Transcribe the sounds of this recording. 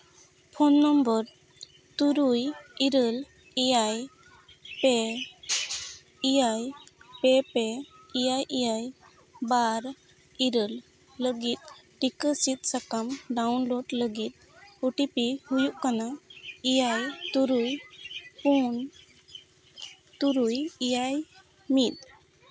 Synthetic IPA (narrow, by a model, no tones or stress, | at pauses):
pʰonːəmbəɾ | t̪uɾujiɾəl | ijaj | pɛ | ijajpɛpɛ | ijajʔijaj | baɾ | iɾəl | ləɡit̪̚ʈikəsit̪̚sakamɖawnloɖləɡit̪̚ | uʈipihujuʔkanaijajt̪uɾujpun | t̪uɾujijaj | mit̪̚